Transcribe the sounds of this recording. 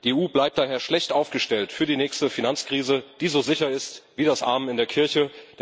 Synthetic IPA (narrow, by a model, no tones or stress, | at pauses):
d̥iːeuːblaɪp̚d̥aːɦeːɐʃlɛçtʔaʊfɡ̥əʃtɛltfyːɐɾiːnɛːçstəfinant͡skʁ̥iːzəd̥iːzozɪçɐɪstv̥iːdasʔa̰ɐmɪndeːɐkʰɪɐçəd̥